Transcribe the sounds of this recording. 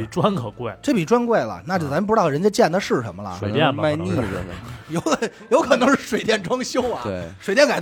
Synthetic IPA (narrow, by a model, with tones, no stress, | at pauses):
i˨˩ʈ͡ʂwa˥nkʰɤ˨˩kwe˥˩ɪʈ͡ʂɤ˥˩pi˨˩ʈ͡ʂwa˥nkwe˥˩ɪlə̰˩na˥˩t͡ɕjo˥˩ʊt͡sa˧˥m˥p̬̩̪˥˧˥ɑ˥˩ɻə˧˥nt͡ɕjɛ˥t͡ɕjɛ˥˩nd̪ə˧ʂɻ̩˥˩ʂə̰˧˥nmə˧lə̰˩knt̪jɛ˥˧n˥˧ma˥˧ɪni˥˩ə̰˧˩˧jo˧˥kʰjo˧˥ʊkʰɤ˨˩nɤ˧˥ŋʂɻ̩˥˩ʂwe˨˩ɪt̪̬jɛ˥˩nʈ͡ʂwɑ˥ŋɕjʊ˥ʊɐ˨t̪e˥˩ʂwe˨˩t̪jŋka˨˩ɪ